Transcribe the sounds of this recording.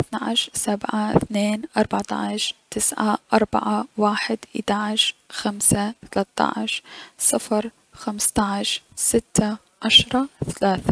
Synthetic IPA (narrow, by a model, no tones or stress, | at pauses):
ɪθnaʕɪʃsabʕaθneːnʔɑɾˤbɑʕt̪ˤɑ̰ʕʃt̪ɪsʕa̰ʔɑɾˤba̰ʕawaːħɪd̪ʔɪ̰d̪aʕɪʃxamsaθalat̪ːɑ̰ʕʃsˤɨfɾˤ | xamst̪ɑʕʃsɪt̪ːa | ʕaʃɾˤɑθalaːθa